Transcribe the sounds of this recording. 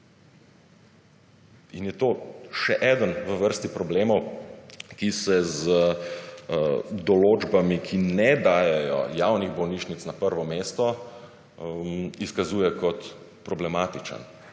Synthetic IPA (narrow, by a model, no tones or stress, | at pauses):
injɛt̪oːʃɛʔɛd̪ənʋəʋəɾst̪ipɾɔbleːmɔw | kisɛzə | d̪ɔloːd͡ʒbamikʰinɛd̪aːjɛjɔ̰jawniɣbɔwniːʃnit̪snapəɾʋɔmeːst̪ɔ | iskazuːjɛkɔt̪ | pɾɔblɛmaːt̪it͡ʃa̰n